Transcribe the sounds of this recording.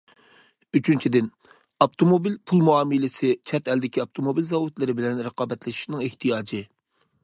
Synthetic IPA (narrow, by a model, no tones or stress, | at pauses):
yt͡ʃʰynt͡ʃʰid̪ɪn | ɑp̚t̪ʰomobilpʰulˠmuɑːmɨlɪsɪt͡ʃʰɛt̪ɛld̪ɪkʲiɑp̚t̪ʰomobilzɑwut̪lɪɾɪbɪlɛnɾəqʰɑːbɛt̪lɪʃi̥ʃnɪŋeht̪ʰijɑːd͡ʒɪ